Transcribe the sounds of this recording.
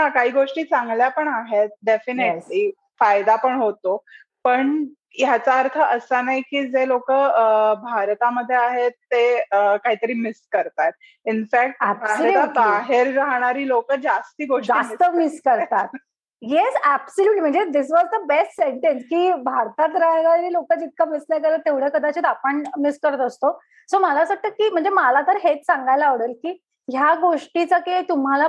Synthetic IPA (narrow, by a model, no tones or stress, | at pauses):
ɦakaɦiːɡoʂʈiːt͡sãŋɡljapəɳaɦet̪̚ɖefineli | fajd̪apəɳɦot̪o | pəɳ | jat͡saəɾt̪ʰəʔəsanajkiːd͡zelokəbʱaɾt̪aməd̪ʱːjeaɦet̪ːeəkaɦiːt̪əɾiːmiskəɾt̪at̪̚ | infæk̚ʈbbaɦt̪abaɦeɾːaɦɽ̃aɾiːlokəd͡zast̪iːɡoʂd͡zast̪əmiskəɾt̪at̪̚ | jesæbsəljuːʈlim̤əɳd͡zed̪isʋɔzd̪əbesʈseɳʈenskiːbʱaɾt̪at̪ɾaɦjɡaɾiːlokət͡sit̪̚kamislakelət̪eʋɽ̤jekəd̪at͡ɕit̪apəɳmiskəɾət̪əst̪o | soməlasəʈ̚t̪əkiːm̤əɳd͡zemalat̪əɾɦet͡ssãŋɡajlaːʋɽəlkiː | ɦjaɡoʂʈit͡saket̪um̤ala